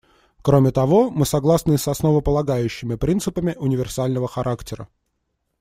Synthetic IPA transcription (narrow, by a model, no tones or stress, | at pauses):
kɾomʲɪt̪ɐvo̞mɨsɐɡlˠasnɨsɐsnovəpəlˠɐɡajʉɕːɪmʲɪpɾʲint̪sɨpəmʲɪʔʊnʲɪvʲɪrsalʲnəvəxɐɾʔaktʲɪɾə̰